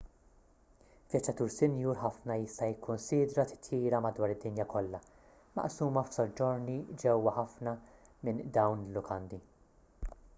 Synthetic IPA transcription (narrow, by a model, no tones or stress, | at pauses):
vjɐt͡ʃːɐt̪uːɾsɪnjuːɾħɐfnɐjɪst̪ɐjɪkʰːʊnsiːd̪ɾɐt̪ɪ̥t̪jiːɾɐmɐd̪wɐːɾɪd̪ːɪnjɐkɔlːɐ | mɐ̰ʔsuːmɐfsɔd͡ʒːɔɾnid͡ʒɛwːɐħɐfnɐmɪnd̪ɐwnɪlːʊkʰɐnd̪i